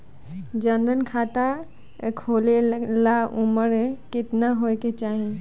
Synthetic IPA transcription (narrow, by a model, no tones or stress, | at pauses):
d͡ʒənd̪ənkʰaːt̪a | kʰoːlelaʊməɾɦẽkɪt̪naɦoeket͡ʃaːɦẽ